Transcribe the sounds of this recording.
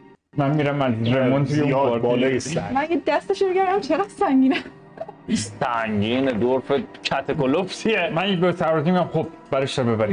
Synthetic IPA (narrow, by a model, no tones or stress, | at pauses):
mænmiɾæmæzɾemont̪ʰujeɒɾblɔːjesæ̰mænjed̪æst̪eʃobeɡæɾd̪æmt͡ʃʰeɾɒsæŋɡʲiːne | sæŋɡiːned̪oɾfet͡ʃʰæt̪ʰekolopsiemænbesæɾɾzimiɡæmxob̚bæɾeʃɾɒbebæɾi